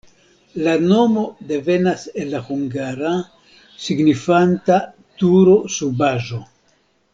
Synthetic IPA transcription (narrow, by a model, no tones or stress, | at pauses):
lano̞mo̞de̞ve̞naselːahuŋɡaɾa | siɡnifanta | tuɾo̞subaʒo̞